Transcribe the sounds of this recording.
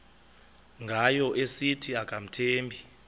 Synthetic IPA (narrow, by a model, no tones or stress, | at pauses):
ŋɡʱajɔʔesitʰiakʼam̩tʰeːmbʱi